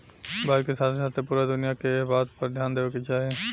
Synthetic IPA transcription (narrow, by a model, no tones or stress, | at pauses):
baːd͡ʒkesaːt̪ʰesaːt̪ʰepuːɾad̪ʊnijakebaːt̪pɐɾd̪ʱjaːnd̪eːokit͡ʃaːɦẽ